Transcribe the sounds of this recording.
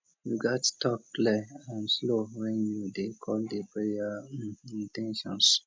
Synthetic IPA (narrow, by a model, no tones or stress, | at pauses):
juɡattɔk̚ːlɛãnslowɛ̃nudekʰɔldepɾejaĩntɛ̃nʃɔ̃ns